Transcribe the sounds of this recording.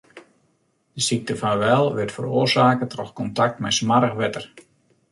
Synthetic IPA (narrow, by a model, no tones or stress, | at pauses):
d̥əsik̚təfanʋɛlˠʋɪrtfə̰roərsaːkətrɔxkɔntak̚tmɛjsmaɾəxʋɛtər